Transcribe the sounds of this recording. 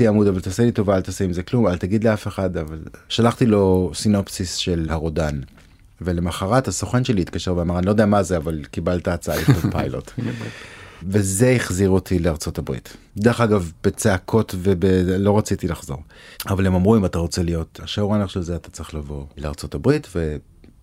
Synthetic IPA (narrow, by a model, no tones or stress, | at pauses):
iamudavalt̪aselito̞vaaltaseimzeklumalt̪aɡid̪leafe̞χadavalʃalaχtilo̞sino̞psisʃelhaʁodan | vele̞maχaʁatasoχenʃeliːt̪̚kaʃe̞ʁveamaʁanilod̪eamazeavalkibaltaːt͡saa̰liχovpajlo̞̰t | vezeiχziʁotʰileaʁt͡so̞tabʁḭt | d̪eʁeχaɡavb̥et͡seakʰo̞tvebelo̞ʁat͡sitilaχzo̞̰ʁavalemamʁuimataʁo̞t͡selijo̞taʃauʁaneʁʃelzeat̪ḁt͡sʁeχlavo̞lea̰ʁt͡so̞tabʁitve